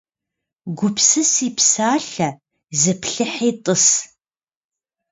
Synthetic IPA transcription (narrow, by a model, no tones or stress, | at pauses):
ɡʷʊpʰsɨsiːpsaːɬɐ | zɨpʰɬɨħeːtʼɨs